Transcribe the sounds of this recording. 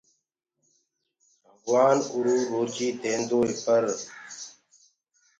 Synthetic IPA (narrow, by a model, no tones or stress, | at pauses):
bʱəɡwaːnʊɾuːɾoːt͡ʃiːd̪ẽːnd̪oːeːpʰəɾ